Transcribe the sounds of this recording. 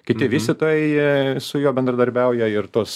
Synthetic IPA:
kʲɪt̪ʲɪʋʲiːsʲt̪ʲɪt̪oːjɛɪsʊjoːbʲɛnd̪ɾɐd̪ɐɾʲbʲɛʊjɛɪrt̪oːs

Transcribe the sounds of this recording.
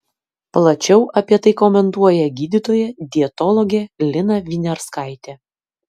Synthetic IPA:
plˠɐt͡ʃʲɛʊʔɐpʲiɛt̪ɐɪkomʲɛnt̪uɔjɛɡʲiːd̪ʲɪt̪oːjɛd̪ʲiɛt̪ɔlˠɔɡʲɛlʲɪnɐʋʲiːnʲɛɾskɑˑɪt̪ʲɛ

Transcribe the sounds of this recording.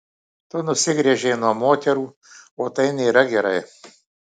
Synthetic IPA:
t̪onʊsʲɪɡɾʲɛʒʲeːnuɔmoːt̪ʲɛɾuː | oːt̪ɐɪnʲɛːɾɐɡʲɛɾɐɪ

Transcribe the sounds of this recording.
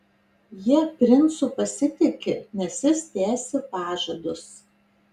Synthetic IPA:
jiɛpʲɾʲɪnsʊpɐsʲɪt̪ʲɪkʲɪnʲɛsʲjʲɪst̪ʲæːsʲɪpɑːʒɐd̪ʊs

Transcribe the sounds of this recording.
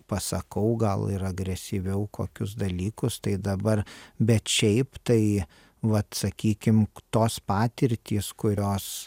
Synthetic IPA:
pɐsɐkɐʊɡɐlˠɪɾɐɡɾʲɛsʲiʋʲɛʊko̰ːkʲʊs̬d̪ɐlʲiːkʊst̪ɐɪd̪ɐbɐrbʲɛt̪ʃʲɛɪpt̪ɐɪ | ʋɐt̪sɐkʲiːkʲɪmt̪oːspɑːt̪ʲɪɾʲt̪ʲiːskʊɾʲoːs

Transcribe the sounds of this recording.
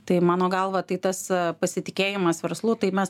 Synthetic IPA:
t̪ɐɪmɑːnoːɡɐlˠʋɐt̪ɐɪt̪ɐspɐsʲɪt̪ʲɪkʲeːjɪmɐsʋʲɛɾslˠuːt̪ɐɪmʲɛs

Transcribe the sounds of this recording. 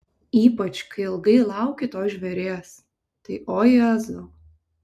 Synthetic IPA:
iːpɐt͡ʃkɐɪɪlˠɡɐɪlˠɑˑʊkʲɪt̪oːsʒʲʋʲɛɾʲeːs | t̪ɐɪʔoːjɛzo

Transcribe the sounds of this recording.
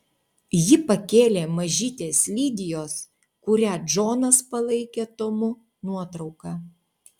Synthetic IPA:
jɪpɐkʲeːlʲeːmɐʒʲiːt̪ʲeːslʲiːd̪ʲɪjoːs | kʊɾʲæːd͡ʒoːnɐspɐlˠɐɪkʲeːt̪omʊ | nuɔt̪ɾɒʊkɑː

